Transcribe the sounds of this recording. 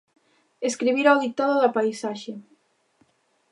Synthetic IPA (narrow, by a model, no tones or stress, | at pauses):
eskɾiβ̞iɾawðik̚t̪aðoðapajsaʃe